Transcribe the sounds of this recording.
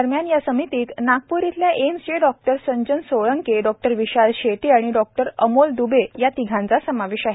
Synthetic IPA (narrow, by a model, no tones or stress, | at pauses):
əɾmjanjasəmit̪iːt̪nak̚puɾit̪ljaʔemsd͡ʑeɖɔk̚ʈəɾsəɲd͡ʑənsoɭəŋkeɖɔk̚ʈəɾʋiɕalɕeʈiaɽ̃iɖɔk̚ʈəɾəmold̪ubʱejat̪iɡʱãnt͡sasəmaʋeɕaɦe